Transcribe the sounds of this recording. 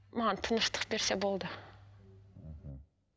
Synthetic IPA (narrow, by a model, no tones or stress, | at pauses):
mant̪ʰɯnɯʃt̪ʰɯ̥χbiɾsɛbolˠd̪ʊ